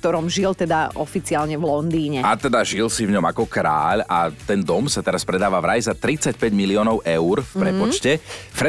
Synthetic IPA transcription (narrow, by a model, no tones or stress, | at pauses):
kt̪ɔɾɔmʒilt̪ɛd̪aɔfit͡siaːlɲɛvlɔnd̪iːɲɛat̪ɛd̪aʒilsivɲɔmakɔkɾa̰ːʎat̪ɛnd̪ɔmsat̪ɛɾaspɾɛd̪aːʋavɾajzat̪ɾit͡sacpɛɟmiliɔːnɔʊʔɛʊɾfpɾɛpɔt͡ʃcɛfɾɛ